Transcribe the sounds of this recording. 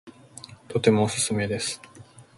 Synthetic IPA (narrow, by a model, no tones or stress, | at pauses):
t̪o̞t̪e̞mo̞ːsɨ̥sɨme̞d̪e̞sɨ̥